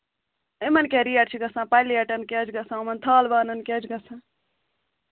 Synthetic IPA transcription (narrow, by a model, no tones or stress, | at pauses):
emɐnkeɾijɐʈt͡ʃʰiɡɐsãːpajlijɐʈɐnkeːd͡ʒɡɐsãomɐnt̪ʰaːlbaːnɐnkeːd͡ʒɡɐsʰã